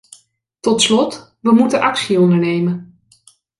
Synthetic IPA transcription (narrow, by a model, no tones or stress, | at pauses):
tɔtslɔt | ʋəmutənʔɑksiɔndəɹnejmən